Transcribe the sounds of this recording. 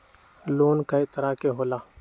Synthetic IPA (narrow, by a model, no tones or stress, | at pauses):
loːnkɐit̪ɐɾakeɦoːlaː